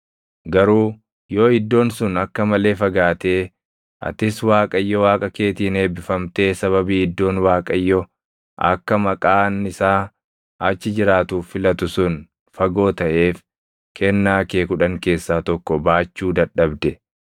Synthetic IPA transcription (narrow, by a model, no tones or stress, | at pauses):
ɡɐɾuː | jo̞ːhɪd̪ːo̞ːnsʊnɐkːɐmɐle̞ːfɐɡaːt̪e̞ː | ʔɐ̰t̪ɪswaːkʼɐjːɔwaːkʼɐke̞ːt̪iːne̞ːbɪfɐmt̪e̞ːsɐβɐbiːɪd̪ːo̞ːnwaːkʼɐjːɔ | ʔɐ̰kːɐmɐkʼaːnɪsaː | ɐt͡ʃːɪd͡ʒɪɾaːt̪uːɪlɐt̪ʊsʊn | fɐɡo̞ːt̪ɐʔe̞ːf | kʰɛnːaːkeːkʊᶑɐŋke̞ːsːaːt̪ɔkːɔbaːt͡ʃːuːd̪ɐɗːɐbd̪ɛ